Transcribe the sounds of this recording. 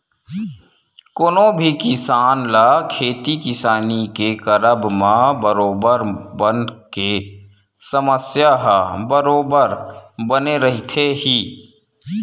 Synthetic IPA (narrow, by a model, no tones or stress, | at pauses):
kʊnõbʱikɪsaːnlakʰeːt̪ikɪsaːnikekəɾəbmãbəɾoːbəɾbənke | səməsjaɦbəɾoːbəɾbəneɾəɦit̪ʰeɦiː